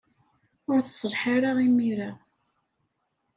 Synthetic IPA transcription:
ʊɾθə̥sˤɾˤħaɾaʁimiɾa

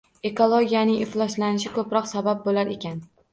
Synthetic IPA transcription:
e̞kʰolˠoɡʲijanɪŋɪflˠɒʃlanɪʃ̬ɪkʰɵpɾɒqsabap̚bolaɾe̞kʲʰan

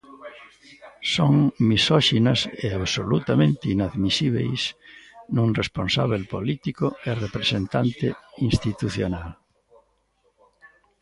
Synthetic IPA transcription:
soŋmisɔʃinaseaβsolut̪amẽnt̪einaðmisiβ̞ḛjsnũŋrespõnsaβ̞elpolit̪ikoerepɾesẽnt̪ant̪eĩnst̪it̪uθjonal

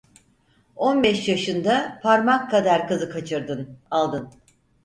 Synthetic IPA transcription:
o̞nbɛʃjaʃɯnd̪apʰaɾmakʰːad̪aɾkɯzɯkʰat͡ʃʰɯɾd̪ɯnalˠd̪ɯn

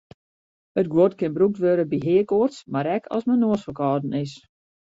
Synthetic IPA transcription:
ət̚ɡwotkɪnbruk̚tʋøɾəbiɦɪəkoərtsmaɾɛkʰɔ̰smənoəsfəkɔːdən̩ɪs

